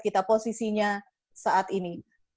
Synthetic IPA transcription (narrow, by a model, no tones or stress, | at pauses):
kɪt̪aposisiɲa | saʔat̪ini